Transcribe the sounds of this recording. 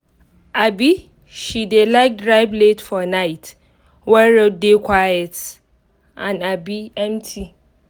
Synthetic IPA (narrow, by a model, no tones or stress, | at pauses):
abi | ʃidelaɪk̚dɾaɪbletfɔnaɪt | wɛɹodekʷʰwajɛt | ʔãnabiɛ̃mtʰi